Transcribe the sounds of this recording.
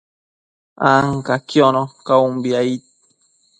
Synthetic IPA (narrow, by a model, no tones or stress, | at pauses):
aŋkakjonõkaumbiait̪̚